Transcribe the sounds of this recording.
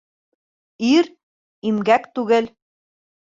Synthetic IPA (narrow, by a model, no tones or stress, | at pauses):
iɾ | imɡækt̪ʉɣɘ̆l